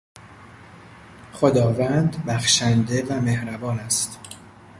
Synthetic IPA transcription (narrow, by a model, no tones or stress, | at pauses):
χod̪ɒːvænd̪bæxʃænd̪e̞væme̞hɾæbɒːnæst̪